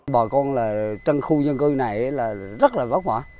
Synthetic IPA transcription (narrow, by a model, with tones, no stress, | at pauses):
ɓɔː˨˩kɔ˧nlaː˨˩t͡ɕə˧nxu˧zə˧nkɨ˧na˨˩jʔlaː˨˩zə˦˥t̚laː˨˩vaː˦˥k̚vaː˨˦